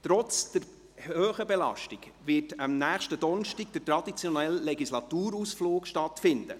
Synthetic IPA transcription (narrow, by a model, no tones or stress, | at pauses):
t̪ɾɔt͡sd̥əɾ | høːχəbɛlɑ̰ʃtiɡ̥ | ʋɪtɑmnæːχʃtəd̥ɔnʃtiɡ̚dətɾɑd̥̪it͡sjɔnɛllɛɡislɑt̪uːɾusfloːkʃtɑtfɪnd̥̪ə